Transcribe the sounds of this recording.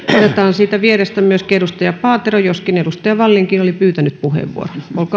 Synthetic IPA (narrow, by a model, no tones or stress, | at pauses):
onet̪ɑːnsiːt̪æʋierest̪æmyøskedust̪ɑjɑpɑːt̪erojoskinedust̪ɑjɑʋɑlːiŋkinolipyːt̪ænyt̪̚puhḛʋʋṵo̰ronolk